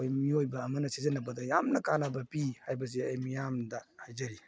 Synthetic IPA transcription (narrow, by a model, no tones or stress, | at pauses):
ojmiojbɐːmɐnɐsizɐnɐbɐdɐjamnɐkanɐbɐpihajbɐs̬iɐjmijamdɐhajzɐɾi